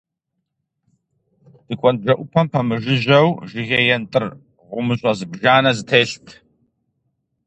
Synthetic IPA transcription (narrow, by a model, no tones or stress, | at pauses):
d̥ɨkʷʼɔnbʒɐʔʷʊpʰɐmpʰɐmɨʒɪʑɐwʒɪɣejɛntʼɨr | ʁʷʊmɨɕʼɐzɨbʒaːnɐzɨtʰeːɬtʰ